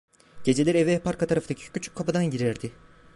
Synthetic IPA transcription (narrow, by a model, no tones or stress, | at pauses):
ɟ̥e̞d͡ʒe̞lʲɛɾevɛpʰaɾkʰat̪ʰaɾaft̪ʰacʰi̥cʰyt͡ʃʰy̥ckʰːapɯd̪anɟiɾæɾd̪ɪ